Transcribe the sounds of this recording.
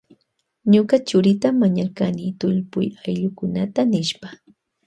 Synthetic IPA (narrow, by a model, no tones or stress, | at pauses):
ɲʊkat͡ʃʊɾɪt̪amaɲaɾkanit̪ʊʎpʊjajʎʊkʊnat̪anɪʃpa